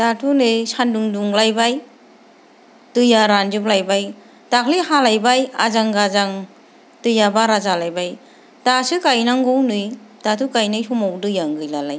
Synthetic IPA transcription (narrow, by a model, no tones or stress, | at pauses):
tatʰunɯsanduŋduŋlajbaj | tɯjaɾand͡ʒɯplajbaj | takʰlihalajbaja̰zaŋɡazaŋ | tɯjabaɾazalajbaj | tasɯkajnaŋɡɔwnɯjtatʰukajnɯjsumawdɯjaŋɡɯjlalaj